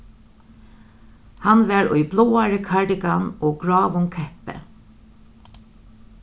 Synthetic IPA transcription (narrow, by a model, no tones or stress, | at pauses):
hanʋɛɹʊ̰jbloːaɹəkʰaɹɖɪkanoːɡɹɑːʋʊŋkʰɛhpɛ̰